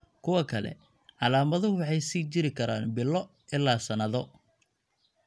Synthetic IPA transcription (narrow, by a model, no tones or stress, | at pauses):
kʰʊwɐkʰɐlɛ̰ | ʕɑlaːmɐðɐɦʊwɑħɑjsiːt͡ʃɪɾɪkʰɐɾa̰ːnbɪlːɔ | ʔɪlːaːsɐnɐðɔ